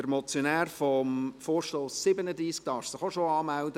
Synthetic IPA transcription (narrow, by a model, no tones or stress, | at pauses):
əɾmɔt͡sjonæːɾfɔmfoːɾʃtoːsːɪbənəd̪ɾiːsk̚d̥ɑːɾfsɪχoʃoɑːmæld̪ə